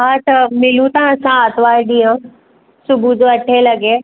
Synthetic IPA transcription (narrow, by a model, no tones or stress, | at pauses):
ɦaːt̪ɐmɪlũt̪ãɐsãaːt̪ʋaːɾɗijã | sʊbʱud͡ʑoːɐʈʰelɐɡe